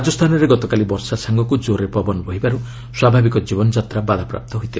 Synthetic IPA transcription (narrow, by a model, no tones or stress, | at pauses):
d͡ʒɔst̪ʰanɔɾeɡɔt̪ɔkalibɔɾsasaŋɡɔkud͡ʒoɾepɔbɔnɔbɔɦibaɾu | swabʱabikɔd͡ʒibɔnɔd͡ʒat̪ɾabad̪ʱapɾa̰p̚t̪ɔɦujt̪iba